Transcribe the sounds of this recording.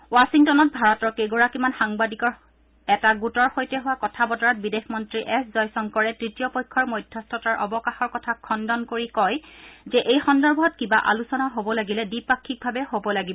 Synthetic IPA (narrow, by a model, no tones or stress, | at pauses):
wasiŋtɔnɔt̚bʱaɹɔtɔɹkeɡɔɹakimanxaŋbadikɔɹ | ɛtaɡutɔɹxojtɛɦʊwakɔtʰabɔtɔɹat̚bidexʰmɔntɹiʔɛszɔjsɔŋkɔɹɛtɹitijɔpɔjkʰːɔɹmojdʱjɔstʰɔtaɹʔɔbɔkaxɔɹkɔtʰakʰːɔndɔnkoɹikɔjzɛʔejxɔndɔɹbʱɔtkibaʔa̰lusɔnaɦobɔlaɡilɛdipakʰːik̚bʱabɛhobɔlaɡibɔ